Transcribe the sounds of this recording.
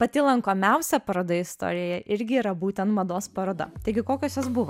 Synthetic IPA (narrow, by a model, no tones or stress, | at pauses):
pɐt̪ʲɪlˠɐŋkoːmʲɛʊsʲɛpɐɾoːd̪ɐɪst̪o̰ːɾʲɪjoːjɛʔɪɾʲɡʲɪiːɾɐbuːt̪ʲɛnt̪mɐd̪oːspɐɾoːd̪ɐ̰t̪ɐɪɡʲɪkoːkʲoːsjosbʊʋo